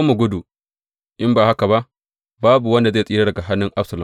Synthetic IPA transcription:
mu˨ɡʷʊ˦du˨ | ʔɪ˦mbaː˨ha˦ka˨ba˦ʔ | baː˦bu˨wɐ˦nda˨zeː˦˨sʼiː˦ɾa˦dɐ˨ɡa˨ɦa˦nːʊ˦ŋʔa˦bsɐ˨la˨

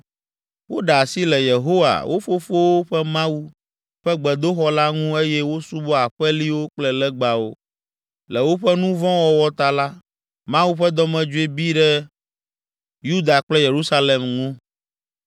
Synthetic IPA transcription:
wo˦ɖa˨si˦lɛ˨je˨ɦo˦wa̰˨wʔo˦fo˦fo˦wo˦ɸɛ˦mã˦wu˦ | ɸɛ˦ɡ͡bɛ˨d̪o˦xɔ˦la˦ŋũ˦e˦jɛ˦wo˦su˦bɔ˦a˨ɸɛ˦li˦wo˦k͡plɛ˦lɛ˦ɡ͡ba˨wo˦ | lɛ˨wo˦ɸɛ˦nũ˦vɔ̃˦wɔ˦wɔ˦t̪a˨la˦ | mã˦wu˦ɸɛ˦d̪ɔ˦mɛ̃˨d͡ʒu˦e˦bi˦ɖɛ˦ | ju˦d̪a˨k͡plɛ˦je˨ɾu˦sa˦le˨mŋũ˦

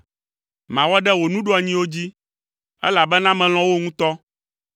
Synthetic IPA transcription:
mã˨wɔ˦ɖɛ˦wo˨nũ˦ɖo˦a˨ɲĩ˦wo˦d͡ʑi˦ | ɛ̰˦la˨bɛ˦nã˦mɛ̃˨l̃ɔ̃˦wo˦ŋũ˦t̪ɔ˦

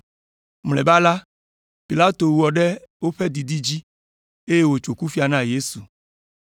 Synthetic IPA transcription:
mlɛ˨ba˦la˦ | pi˨la˦t̪o˨wu˦wɔ˨ɖɛ˦wo˦ɸɛ˦d̪i˨di˦d͡ʑi˦ | e˦je˦wo˨t͡ʃo˨ku˦fi˦a˨nã˦je˦su˨

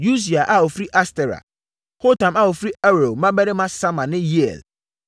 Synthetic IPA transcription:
ju˦s̬i˨a˨ʔa˨o˨fɾi˦ʔa˦stɛ˨ɾa̰˨ | ho˦tʰã˨ma˦wo˨fɾi˦ɛ˦ɾo˨mã˦bɛ˦ɾɪ˦mã˦sã˦mã˨nɪ̃˦ji˦ɛ̰˨l

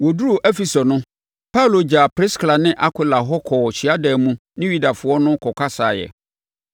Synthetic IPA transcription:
wɔ˨du˦o˨ʔɛ˦fi˨so˨nʊ̃˦ | pʰa˦u˨lo˨d͡ʑa˨pɾɪ˦skla˨nɪ̃˦ʔa˦kʷʰɪ˨la˨ɦɔ˦kʰɔː˨ɕi˨a˦dɛː˨mũ˦nɪ̃˦ɥi˦da˨fʊ˦ɔ˦nʊ̃˦kʰɔ˨kʷʰa˦saː˨jɛ̰˨

